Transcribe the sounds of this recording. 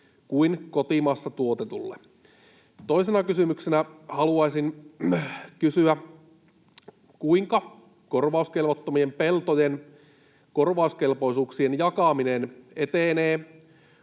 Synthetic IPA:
kuinkot̪imɑsːɑt̪uot̪et̪ṵlːḛ | t̪oisenɑkysymyksenæhɑluɑisin | kysyæ | kuiŋkɑ | ko̞rʋɑˑuskelʋot̪ːomiempelt̪ojen | ko̞rʋɑˑuske̞lpo̞isuːksienjɑkɑminenet̪eneː

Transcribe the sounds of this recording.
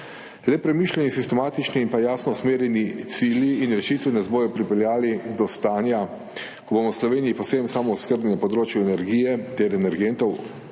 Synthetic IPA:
lɛpɾɛmiːʃlʲɛnisist̪ɛmaːt̪it͡ʃniːnpajaːsnɔsmeːɾjɛnit̪siːljiːnɾɛʃit̪ʋinasbojɔpɾipɛljaːlid̪ɔst̪aːnja | kɔbomɔwslɔʋeːnijipɔsemsaːmɔuskəɾb̪nʲinapɔd̪ɾoːt͡ʃjuɛnɛɾɡiːjɛt̪ɛɾɛnɛɾɡent̪ɔw

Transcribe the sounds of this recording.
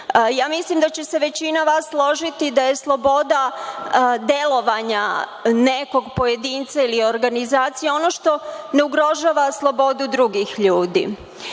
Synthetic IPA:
jaːmislimd̪at͡ɕe̞se̞ʋe̞t͡ɕinaʋaːsːlˠo̞ʒit̪id̪aje̞slˠo̞bo̞d̪a | d̪je̞lo̞ʋaɲane̞ko̞ɡpo̞jed̪iːnt̪sailio̞ɾɡanizaːt̪sijeo̞no̞ʃt̪o̞ne̞uɡɾo̞ʒaːʋaslˠo̞bo̞d̪ud̪ɾuɡixʎuːd̪ḭ

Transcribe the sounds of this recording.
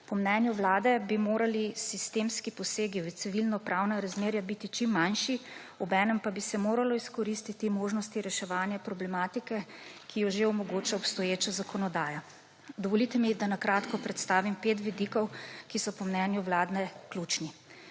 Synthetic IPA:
pɔmnɛːnjuʋlaːd̪ɛbimoːɾalisist̪eːmskipɔseːɡiwt̪siʋilnɔpɾʔawnaɾazmeːɾjabit̪it͡ʃimːanʃi | ɔbɛːnɛmpabisɛmoːɾalɔiskɔɾist̪it̪imoːʒnɔst̪iɾɛʃɛʋaːnjapɾɔblɛmaːt̪ikɛkʰijɔʒeɔmɔɡoːt͡ʃaɔpst̪ɔjeːt͡ʃazakɔnɔd̪aːja | d̪ɔʋɔlit̪ɛmid̪anakɾaːt̪kɔpɾɛt̪st̪aːʋimpeːt̪ʋid̪ikɔwkisɔpɔmnɛnjuʋlaːd̪nɛklut͡ʃni

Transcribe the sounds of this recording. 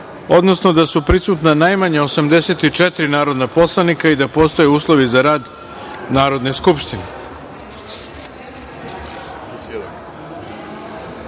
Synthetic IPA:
o̞d̪no̞sno̞d̪asupɾisuːt̪nanajmaɲao̞samd̪ese̞t̪it͡ʂɛt̪ɾinaːɾo̞d̪napo̞slˠanikaid̪apo̞ːst̪ojeuːslˠo̞ʋizaɾaːd̪ | naːɾo̞d̪ne̞skupʃt̪ine

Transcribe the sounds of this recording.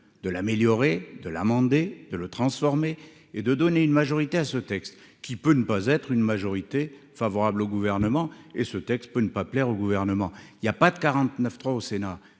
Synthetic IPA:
d̪̥əlameljɔʁed̪əlamɑ̃d̪ed̪ələt̪χɑ̃sfɔʁme | ed̪əd̪ɔneynmaʒɔʁit̪easət̪ɛkst̪ | kʲipønəpazɛt̪χynmaʒɔʁit̪e | favɔʁabloɡuvɛʁnəmɑ̃esət̪ɛkst̪̚pønəpaplɛʁoɡuvɛʁnəmɑ̃iljapad̪əkaʁɑ̃t̪nəft̪χwaosena

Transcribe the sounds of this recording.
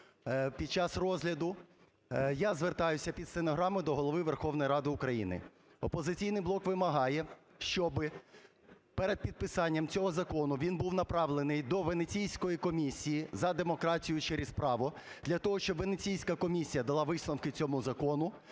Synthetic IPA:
pʲid̪̥̚t͡ʃɑsrɔzʲɦlʲɐd̪ʊ | jazʋert̪ɑjʊsʲɐpʲid̪senɔɦɾɑmɪd̪ɔɦɔlˠɔʋɪʋerxɔwnɔjɾɑd̪ɪʊkɾɐjḭnɪ̰ | ɔpɔzɪt͡sʲijnɪjblˠɔkʋɪmɐɦɑjɛ | ʃt͡ʃɔbɪ | pɛɾed̪̚pʲid̪̚pɪsɑnʲːɐmt͡sʲɔɦɔzɐkɔnʊʋʲinbuwnɐpɾɑʋlˠenɪjd̪ɔʋenet͡sʲijsʲkɔjikɔmʲisʲijizɐd̪emɔkɾɑtʲijʊt͡ʃeɾʲɪspɾɑʋʊ | d̪lʲɐt̪ɔɦɔʃt͡ʃɔbʋenet͡sʲijsʲkɐkɔmʲisʲijɐd̪ɐlˠɑʋɪsnɔwkɪt͡sʲɔmuzɐkɔnʊ

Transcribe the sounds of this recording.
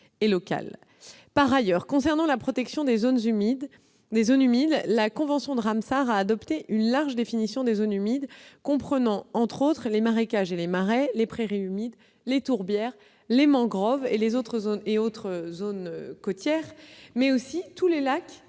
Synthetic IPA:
elɔka̰l | paʁajœʁkɔ̃sɛʁnɑ̃lapχɔt̪ɛksjɔ̃d̪ezonzmd̪ | d̪ezonymid̪lakɔ̃vɑ̃sjɔ̃d̪əʁamsaʁaːd̪ɔpt̪eʔynlaʁʒəd̪efinisjɔ̃d̪ezonymid̪kɔ̃pχənɑ̃ɑ̃t̪χot̪χlemaʁekaʒelemaʁelepχeʁiymid̪ | let̪uʁbjɛʁ | lemɑ̃ɡʁɔvelezot̪χəzoneot̪χəzonøkɔt̪jɛʁmɛosit̪ulelak

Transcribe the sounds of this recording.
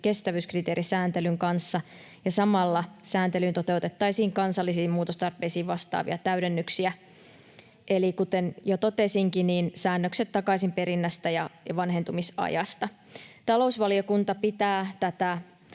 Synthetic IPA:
ke̞st̪æʋyskrit̪eːɾisæːnt̪elyŋkɑnsːɑ | jɑsɑmɑlːɑsæːnt̪elynt̪ot̪e̞wt̪et̪ːɑisiːŋkɑnsɑlːisiːmmuːt̪ost̪ɑrpe̞ːsiːʋʋɑst̪ɑ̰ːʋḭɑt̪æyɾenːyksiæ | ʔelikut̪enjot̪o̞t̪esiŋkiniːnsæːnːøkset̪tɑkɑisimpe̞ɾinːæst̪æjɑjɑʋɑnɦent̪umisɑ̰jɑst̪ɑ | t̪ɑlo̞usʋɑlio̞kunt̪ɑpit̪æːt̪æt̪æ

